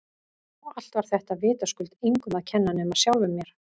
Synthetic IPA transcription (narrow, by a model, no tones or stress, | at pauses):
ɔɣal̥t̪vaɾ̥θɛht̪avɪːt̪askʏlt̪iŋkʏmaðcʰɛnːanɛmaðsjawlvʏmːjɛɾ̥